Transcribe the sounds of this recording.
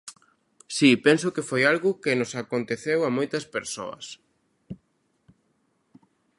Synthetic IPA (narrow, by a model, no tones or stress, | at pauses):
sipensʊkɪfojalɣʊkɪnʊsakont̪eθewamojt̪ɐspeɾso̰ɐ̰s